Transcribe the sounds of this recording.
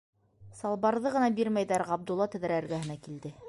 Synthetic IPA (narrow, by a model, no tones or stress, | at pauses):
sɑlˠbɑɾðɤʁɤ̆nɑbiɾmæjðæɾʁɑb̚d̪ulˠːɑt̪ɘ̆ðæɾæɾɡæhɘ̆nækild̪ɘ